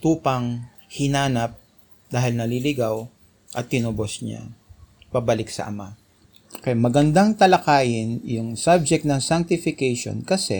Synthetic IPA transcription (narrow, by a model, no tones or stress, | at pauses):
t̪uːpɐŋ | hɪnaːnɐp̚ | d̪aːɦɪlnɐlilɪɡaw | ʔɐt̪ːɪnʊbosɲa̰ | pabɐlɪksɐ̰ʔɐ̰ma | kɛjmɐɡɐnd̪aŋt̪ɐlɐkaːjɪnjʊŋsab̚d͡ʒɛk̚t̪nɐŋsaŋk̚t̪ɪfɪkɛjʃo̰nkɐsɛ